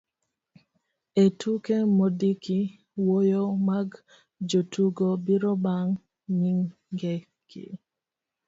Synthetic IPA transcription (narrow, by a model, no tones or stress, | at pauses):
etʰukemodikʰi | wojomaɡ | d͡ʒotʰuɡobiɾɔbaŋ | ɲiŋ | ɡɛ | kḭ